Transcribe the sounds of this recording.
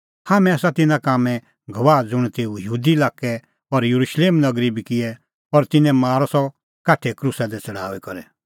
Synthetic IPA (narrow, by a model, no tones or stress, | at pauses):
haːmɛ̃aːsat̪ɪnãkaːmɛ̃ | ɡʱɐʋaːd͡zʊɽ̃t̪eːujəɦuːd̪ilaːkɛ | ɔɾjɐɾuʃleːmnɐɡɾibikɪɛ | pɔɾt̪ɪnɛ̃maːɾɔsɔ | kaːʈʰɛkɾusad̪ɛt͡sɐɽ̤a̰ːʋɛkɔɾɛ